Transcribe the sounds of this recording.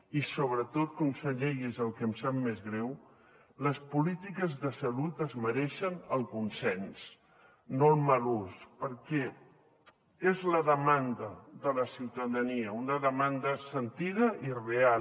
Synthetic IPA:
isoβ̞ɾət̪ot̪̚komsəʎejizəlˠkəmsamːezɣɾɛw | ləspulit̪ikəzðəsəlut̪əzməɾɛʃənəlˠkunsɛns | nolˠməluspəɾkɛ | ezləðəmand̪əðələsiwt̪əðəniəunəðəmand̪əsənt̪iðəʔirea

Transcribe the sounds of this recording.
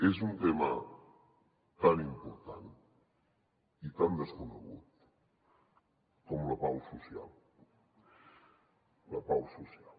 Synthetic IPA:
ezunt̪ema̰ | t̪animpoɾt̪an | it̪and̪eskunḛɣut̪̚ | komulapawsusja̰l | lapawsusjal

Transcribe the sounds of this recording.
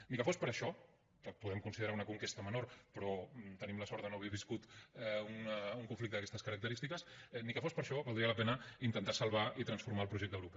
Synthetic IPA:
nikəfospəɾəʃɔ | kəpuðɛmkunsiðəɾaunəkuŋkest̪əmənorpɾɔt̪ənimləsɔɾt̪ənoəβɛβiskut̪ɛunuŋkuɱflikt̪əðəkɛst̪əskəɾək̚t̪əɾist̪ikəsɛnikəfospəɾʃɔβəlˠd̪ɾiələpɛnəint̪ənt̪asɐlˠβait̪ɾənsfuɾmaəlˠpɾuʒɛk̚t̪əwɾupɛ

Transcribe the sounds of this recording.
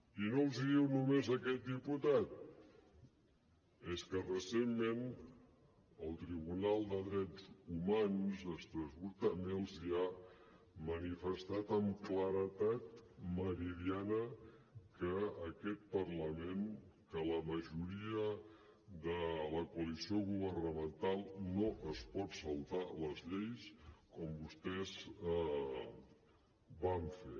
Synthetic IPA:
inolˠziðiwnumezəkɛt̪̚d̪iput̪at̪̚ | eskərəsemːen | əlˠt̪ɾiβunalˠd̪əðɾɛd͡zumanzəst̪ɾəzβuɾt̪amelˠzia | mənifəst̪at̪əmkləɾət̪at̪̚məɾiðianəkəːkɛt̪̚pəɾləmenkələməʒuɾiə | d̪ələkuəlisioɣuβərnəmənt̪alˠnoʔəspɔt̪səlˠt̪aləzʎejskɔmbust̪ɛz | baɱfe

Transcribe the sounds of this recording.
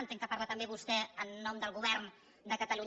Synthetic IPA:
nt̪eŋkəparɾlat̪əmbeβust̪ɛənːɔmd̪əlˠɣuβɛɾn | d̪əkət̪əlu

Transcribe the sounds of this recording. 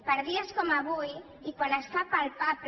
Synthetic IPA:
paɾðiaskomaβuj | ikwalasfapalpapɾ

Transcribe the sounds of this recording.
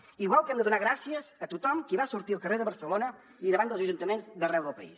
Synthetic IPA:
iɣwalˠkɛmd̪əðunaɣɾasiəzət̪ut̪ɔmkiβasuɾt̪iəlˠkəreðəβəɾsəlonə | iðəβand̪əlˠzəʒunt̪əmenzðərɛwðəlˠpəḭs

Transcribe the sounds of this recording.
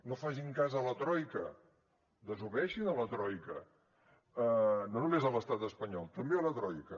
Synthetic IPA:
nofaʒiŋkazələt̪ɾɔjkə̰ | d̪əzuβɛʃinələt̪ɾɔjkə | ənonumezələst̪at̪əspəɲɔlˠt̪əmbeələt̪ɾɔjkə

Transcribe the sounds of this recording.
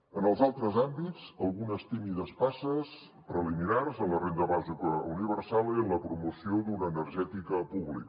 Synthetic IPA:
ənəlˠzalˠt̪ɾəzambit͡səlˠɣunəst̪imiðəspasəs | pɾəliminarzənlərend̪əβazikəuniβəɾsalˠiənləpɾumusiod̪unəːnəɾʒɛt̪ikəpuβlḭk

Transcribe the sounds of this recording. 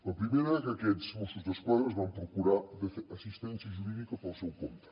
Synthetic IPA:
lapɾimeɾaekakɛzmosuzðeskwaðɾazβampɾokuɾad̪eɐsist̪ɛnθjaʒuɾiðikapalˠsewko̰nt̪ɾḁ

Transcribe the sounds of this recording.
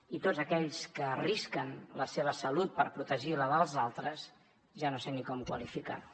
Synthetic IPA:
it̪od͡zzəkɛʎskəriskənləseβ̞əsəlut̪̚pəɾpɾut̪əʒiləðəlˠzalˠt̪ɾəz | ʒanosenikɔmkwə̰lifika̰

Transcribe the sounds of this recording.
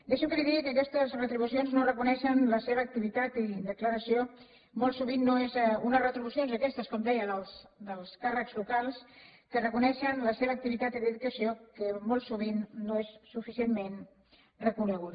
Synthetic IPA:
d̪eʃəkəliðikəːkɛst̪əzrət̪ɾiβusionznorəkunɛʃənləseβəːk̚t̪iβit̪at̪id̪əkləɾəsio | molˠsuβ̞inːoezɛunərət̪ɾiβusionzəkɛst̪əskɔmd̪ɛjəðəlˠsd̪əlˠskarəkzlukalˠskərəkunɛʃənləseβəːk̚t̪iβit̪at̪iðəðukəsiokəmolˠsuβ̞inːoesːufisiemmen | rəkunəɣ̞uð

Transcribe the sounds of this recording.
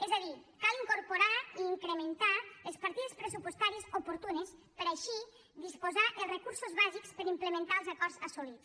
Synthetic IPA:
ɛzaðikaliŋkoɾpoɾaiːŋkɾement̪aelˠspaɾt̪iðespɾesupwost̪aɾiezopoɾt̪unespəɾaʃi | d̪ispozaʔelˠrekuɾsozβazikspəɾimplemẽnt̪aəlˠzakɔɾzasulit͡s

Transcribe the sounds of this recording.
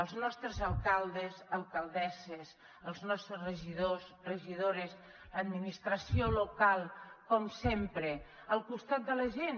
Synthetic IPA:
əlˠznɔst̪ɾəzəlˠkalˠd̪əzəlˠkalˠd̪ɛses | əlˠznɔst̪ɾəzrəʒiðos | rəʒiðoɾes | ləd̪minist̪ɾəsiolukalˠkɔmsempɾe | əlˠkust̪at̪̚d̪ələʒen

